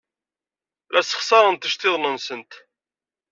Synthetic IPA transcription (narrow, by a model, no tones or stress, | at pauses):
lʔæsə̥χsˤɑɾˤənt̪əʃt̪ɪðˤnənsənt̪